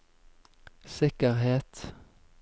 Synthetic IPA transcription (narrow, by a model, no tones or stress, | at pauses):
sɪkəʁheːt̪